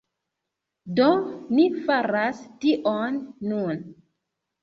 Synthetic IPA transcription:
donifaɾastiʔonːun

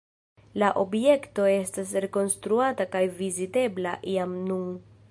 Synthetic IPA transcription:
laʔo̞bje̞kto̞e̞stasɾe̞ko̞nstɾuatakajvizite̞blaʔiamnu

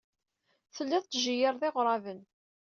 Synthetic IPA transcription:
θəlːæðt̪ːʒijəɾˤðˤeʁɾˤɑvən

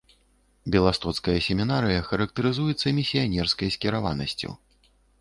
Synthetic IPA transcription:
bʲɛlˠast̪ɔt̪skɐjɐsʲɛmʲinaɾɨjɐxɐɾɐk̚t̪ɐɾɨzujɛt̪sːɐmʲisʲijanʲɛrskɐjsʲkʲɛɾava̰nɐ̰sʲt͡sʲṵ

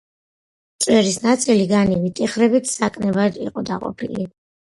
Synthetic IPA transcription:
t̪sʼwɛɾisnat̪sʼiliɡanivit̪ʼiχɾɛbit̪ʰsakʼnɛbad̪ḭqʼɔd̪a̰qʼɔ̰pʰili

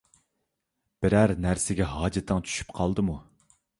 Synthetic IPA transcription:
b̥ɪɾæɾnæɾsɪɡʲɛɦɑːd͡ʒɛt̪ʰːəŋt͡ʃʰy̥ʃy̥p̚qʰɑlˠd̪ɨmu

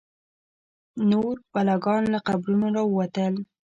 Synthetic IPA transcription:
noɾbalaɡɑnlaqabɾunoɾɑwəwat̪əl

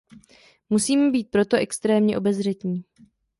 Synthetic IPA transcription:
musiːmɛbiːt̪̚pɾo̞t̪oʔɛkst̪ɾɛːmɲɛʔo̞bɛzr̝ɛt̪ɲiː

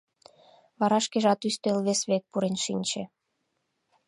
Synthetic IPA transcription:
βɑɾɑʃkeʒɑt̪yst̪elβesβek̚puɾenʃinʲt͡ɕe

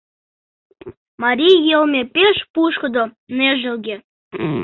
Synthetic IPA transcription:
mɑɾʲijelmʲepeʃpuʃkɤ̆d̪oneʒɘ̆lɡʲe

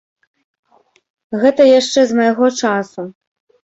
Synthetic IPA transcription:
ɣɛt̪ɐjaʂt͡ʂɛzmɐjaɣɔt͡ʂasu

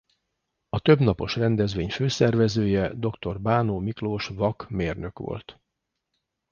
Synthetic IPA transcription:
ɒt̪øbnɒpo̞̰ʃrɛnd̪ɛzʋeːɲføːsɛrvɛzøːjɛd̪o̞kt̪o̞rbaːnoːmikloːʃvɒkmeːrnø̞kʋo̰lt̪

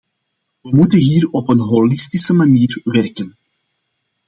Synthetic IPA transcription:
ʋəmutənɦiːrɔpənɦɔlɪstisəmaniːrʋɛrkən

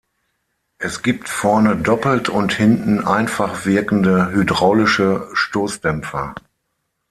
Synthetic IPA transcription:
ʔɛsɡ̥iːp̚tfɔɐnədɔpl̩tʰʊnthɪntn̩ʔaɪnfaχv̥ɪɐkn̩dəɦydʁaʊlɪʃəʃtoːsd̥ɛmp͡fɐ

